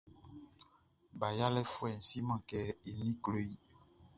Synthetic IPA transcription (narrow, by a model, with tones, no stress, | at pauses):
ba˨ja˦lɛ˦fo˦ɛ˨n˨si˦mã˨kɛ˦e˨nĩ˦klo˦ji˦